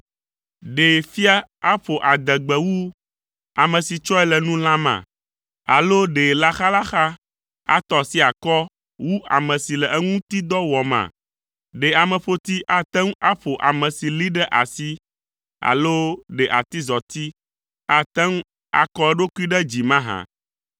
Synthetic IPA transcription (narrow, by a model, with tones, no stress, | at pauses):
ɖe˨fi˦a˦a˦ɸo˨ʔa˨d̪ɛ˨ɡ͡bɛ˨wu˦ | a˨mɛ̃˨si˨t͡ʃɔ˦ɛ˦lɛ˨nũ˦l̃ã˦mã̰˨ | a˨lo˦ɖe˨la˦xa˦la˦xa˦ | a̰˦t̪ɔ˨si˦a˨kɔ˦ | wu˦ʔa̰˨mɛ̃˨si˨lɛ˨ʔɛ˦ŋũ˦t̪i˦d̪ɔ˦wɔ˨mã̰˨ | ɖe˨a˨mɛ̃˨ɸo˦t̪i˦ʔa˦t̪ɛ˦ŋ˦a˦ɸo˨ʔa˨mɛ̃˨si˨li˦ɖɛ˦ʔa˨si˦ | a̰˨lo˦ɖɛ˨ʔa˨t̪i˦zɔ˨t̪i˦ | a˦t̪ɛ˦ŋ˦ | a̰˨kɔ˦ɛ˦ɖo˦ku˦i˦ɖɛ˦d͡ʑi˨mã˦ɦã̰˨